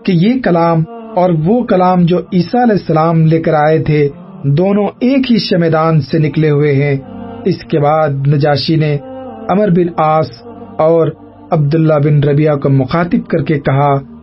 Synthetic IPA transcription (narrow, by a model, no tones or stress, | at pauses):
kejekɐlaːmɔːɾʋokɐlaːmd͡ʒoːiːsaɐlɛːsːɐlaːmleːkəɾaːet̪ʰe | d̪oːnõeːkɦiʃɐmɛːd̪aːnsenɪkleɦʊeɦɛ̃ɪskebaːd̪̚nɐd͡ʒaːʃineɐməɾbɪnaːs | ɔːɾ | ɐb̚d̪ʊlːabɪnɾɐbijakomʊxaːt̪ɪb̚kɐɾkekɐɦa